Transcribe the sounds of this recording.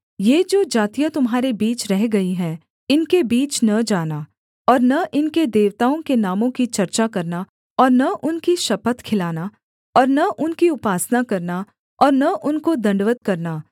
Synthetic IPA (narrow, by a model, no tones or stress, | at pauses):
jeːd͡ʒoːd͡ʒaːt̪ijat̪ʊmɦaːɾebiːt͡ʃɾɛɦɡɐiɦɛ̃ː | ɪnkebiːt͡ʃnɐd͡ʒaːnaː | ɔːɾnɐʔɪnked̪eːʋt̪aːõkenaːmõkit͡ʃɐɾt͡ʃakɐɾna | ɔːɾnɐʔʊnkiʃɐpət̪kʰɪlaːna | ɔːɾnɐʔʊnkiʊpaːsnakɐɾna | ɔːɾnɐʔʊnkod̪ɐ̃ɳɖʋət̪̚kɐɾnaː